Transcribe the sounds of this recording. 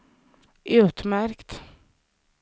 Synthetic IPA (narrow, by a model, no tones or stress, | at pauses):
ʔʉːt̪mæɾkt̪